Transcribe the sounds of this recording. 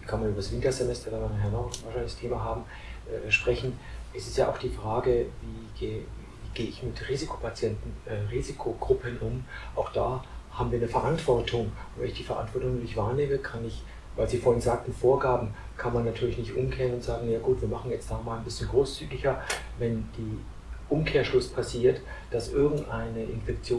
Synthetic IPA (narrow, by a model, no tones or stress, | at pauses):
kʰanmanʔyːbɐdsvɪntɐzemɛstɐdaːmanɦɛɐnaʊvaːɐʃaɪnlɪçstʰeːmaɦaːbm̩ | ʔɛʃpʁ̥ɛçn̩ʔɛsɪstjaːʔa̰ʊxd̥iːfʁ̥aːɡəviːɡeː | iːɡeːəɪçmɪtʁiːzikʰo̥pʰat͡sjɛntn̩ʔɛʁiːzɪkʰoɡ̥ʁʊpʰənʔʊmʔaʊxd̥aːhaːbm̩viːɐnəfɛɐʔantv̥ɔɐtʰʊŋʊntvɛ̰nɪçd̥iːfɛɐʔa̰ntv̥ɔɐtʊŋnoɪçvaːɐneːməkʰanɪç | vaɪlziːfoːɐhɪnzaːk̚tn̩foːɐɡaːbm̩ | kʰanmanːatʰyːɐlɪçnɪçtʔʊmkʰeːʁnʊntz̥aːɡŋ̩najaːɡuːtv̥iːɐmaχn̩jɛt͡std̥aːmaːlnbɪsçənɡʁoːst͡syːɡɪçɐ | vɛnd̥iː | ʔʊmkʰeːɐʃlʊspʰasiːɐtd̥asʔɪɐɡŋ̩tʔa̰ɪnəʔɪ̰nfɛkt͡sjoː